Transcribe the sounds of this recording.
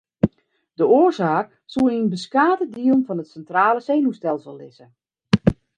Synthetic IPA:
dəoərzaːk | sulˠinbəskaːtədiəlˠnfɔnətsɛntraːləseːnustɛlˠsəlˠːɪsə

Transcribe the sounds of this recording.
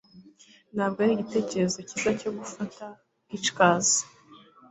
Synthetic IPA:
nhaːb̚ɡoaɾiɟite̞ːce̞ɾezo̞cizaco̞ɡufata | it͡ʃkaːzḁ

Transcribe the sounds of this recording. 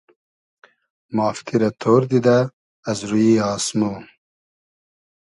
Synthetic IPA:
mɑːft̪ʰiɾɐt̪ʰoːɾd̪id̪aː | zɾujiɑːsmu

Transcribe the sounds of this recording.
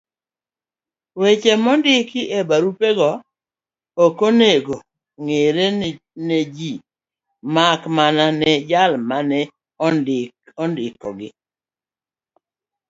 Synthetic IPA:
wet͡ʃemɔndɪkɪʔebaɾupeɡɔː | koneɡo | ŋeɾe | ned͡ʒi | makmananɛd͡ʒalmanɛ | ɔndɪkɔndɪkɔ̰ɡɪ

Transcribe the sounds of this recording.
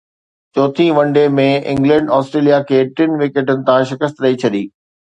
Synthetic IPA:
t͡ɕoːt̪ʰĩʋɐ̃ɳɖemẽɪ̰̃ŋɡlɛ̃ɳɖɔːsʈɾeːlijakʰeːʈɪnʋɪːkeːʈənɪ̆t̪ãʃɪkəst̪ɾɐit͡ɕʰɐɗiː

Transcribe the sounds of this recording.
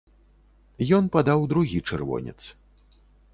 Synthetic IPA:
jɔnpad̪awd̪ɾuɣʲit͡ʂɨ̰rvɔ̰nʲɛ̰t̪s

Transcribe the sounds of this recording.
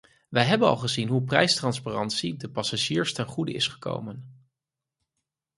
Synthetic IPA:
ʋəjɦɛbənɑ̰lˠχəzinɦup̬rɛjstrɑnsparɑntsidəpɑsaʒiːɹstɛnχudə̰ɪ̰sχə̥ko̰wmən

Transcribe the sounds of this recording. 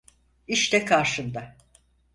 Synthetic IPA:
iʃt̪ɛkʰaɾʃɯnd̪a

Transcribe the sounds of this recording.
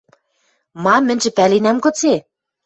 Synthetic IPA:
mɑmːɘ̆nʲʒɘ̆pælenæmkɤ̆t͡se

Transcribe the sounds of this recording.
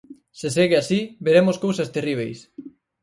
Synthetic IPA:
seseɣeasibeɾemoskowsɐst̪eriβ̞ejs

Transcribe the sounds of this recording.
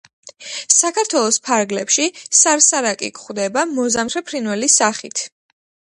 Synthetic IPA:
sakʰaɾt̪ʰwɛlˠɔspʰaɾɡlɛpʃisaɾsaɾakʼḭkχwd̪ɛbamɔzamʰɾɛpʰɾinwɛlisaχit̪ʰ

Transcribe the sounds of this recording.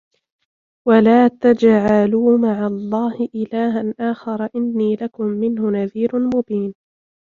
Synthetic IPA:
walaːt̪ad͡ʒʕaluːmaʕalˤːɑːhɪʔɪlaːɦanʔaːxɑɾˤɑʔɪnːiːlakʊmːɪnhʊnaðiːɾmʊbiːn

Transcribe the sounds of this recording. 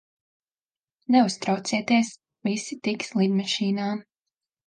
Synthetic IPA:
nɛust̪ɾawt̪siɛt̪iɛs | visit̪ikslˠid̪mɑʃiːnaː

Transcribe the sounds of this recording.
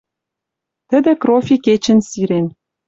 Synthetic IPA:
t̪ə̆d̪ɘ̆krofʲiket͡ɕɘ̆nsiɾen

